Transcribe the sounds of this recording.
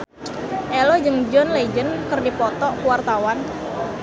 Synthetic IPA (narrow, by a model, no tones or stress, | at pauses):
ʔɛlɔd͡ʒɨŋd͡ʒɔnled͡ʒənkɨrdipɔt̪ɔkuwart̪awan